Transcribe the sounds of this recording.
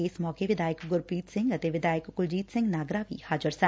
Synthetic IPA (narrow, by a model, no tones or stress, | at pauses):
ɪːsmɔːkeʋɪd̪aːjəkɡʊɾpiːt̪sɪ̃ŋɡət̪eːʋɪd̪aːjɪəkɡʊld͡ʒiːt̪sɪ̃ŋɡnaːɡɾaːʋḭːhaːd͡ʒəɾsɛ